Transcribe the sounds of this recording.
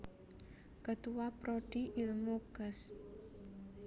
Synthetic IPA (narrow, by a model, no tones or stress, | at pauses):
kət̪uwapɾoɖ̥iʔilmukəs